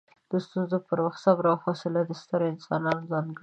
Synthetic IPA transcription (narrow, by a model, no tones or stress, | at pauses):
d̪̥əst̪unzopəɾwaxt̪sabɾawxosəlad̪əst̪əɾoɪnsɑnɑnozɑnɡə